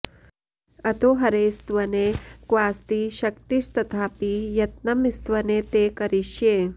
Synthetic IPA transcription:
ɐt̪oɦɐɾeːst̪ʋɐnekʋaːst̪iʃɐkt̪iʃt̪ɐt̪ʰaːpijɐt̪nɐmist̪ʋɐnet̪eːkɐɾiʃjeː

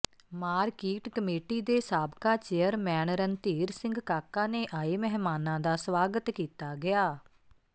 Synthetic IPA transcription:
maːɾkiːʈkəmeːʈiːd̪eːsaːbkaːt͡ʃeːəɾmɛːnɾənt̪iːɾsɪ̃ŋɡkaːkãːneːʔaːiːmɛːɦmaːnãːd̪aːsʋaːɡət̪kiːt̪aːɡɪjaː

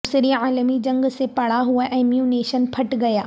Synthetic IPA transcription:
sɪɾiaːlmid͡ʑɐ̃ŋɡsepɐɽ̤aɦuəʔeːmjuːneːʃənpʰɐʈɡɐjaː

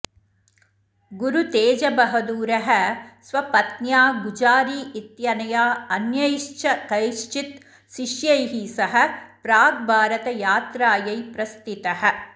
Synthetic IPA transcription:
ɡuɾut̪eːd͡ʒɐbɐɦɐd̪uːɾɐɦɐsʋɐpɐt̪njaːɡud͡ʒaːɾiːʔit̪jɐnɐjaːɐnjɐjʃt͡ʃʰɐkɐjʃt͡ʃit̪ | ʃiʃjɐjɦisɐɦɐ̆pɾaːɡ̚bʱaːɾɐt̪ɐjaːt̪ɾaːjɐjpɾɐst̪it̪ɐɦɐ̆

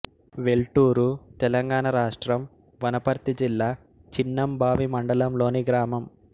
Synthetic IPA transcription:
ʋe̞lʈuːɾut̪ɛlɐŋɡaːnɐɾaːʂʈɾɐm | ʋɐnɐpɐɾt̪id͡ʒilːaː | t͡ʃinːɐmbʱaːʋimɐɳɖɐlɐmlo̞ːniɡɾaːmɐm

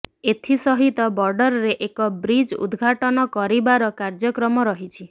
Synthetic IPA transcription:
et̪ʰisɔɦit̪ɔbɔɾɖɔɾɔɾeʔekɔbɾid͡ʒṵd̪ɡʱaʈɔnɔkɔɾibaɾɔkaɾd͡ʒɔkɾɔmɔɾɔɦit͡ʃʰi

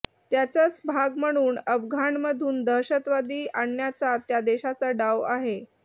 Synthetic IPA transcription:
t̪jat͡sət͡sbʱaɡm̤əɽ̃uːnəbɡʱaɳməd̪ʱuːnd̪əɕət̪ʋad̪iːʔaɳjat͡sat̪jad̪eɕat͡saɖaʋaɦe

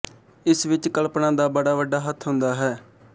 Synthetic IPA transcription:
ɪsʋɪt͡ʃkəlpnãːd̪aːbəɽaːʋəɖaːɦət̪ʰɦʊ̃nd̪aːɦɛː

